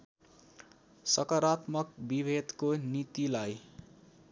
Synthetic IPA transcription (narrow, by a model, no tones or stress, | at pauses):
sʌkʌɾat̪mʌk̚bibʱed̪konit̪ilaj